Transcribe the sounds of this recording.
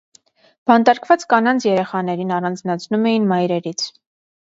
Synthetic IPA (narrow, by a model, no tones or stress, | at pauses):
b̥ɑnt̪ɑɾkʰvɑt͡skɑnɑnt͡sʰjɛɾɛχɑnɛɾinɑrɑnd͡znɑt͡sʰnumɛjinmɑjɾɛɾit͡sʰ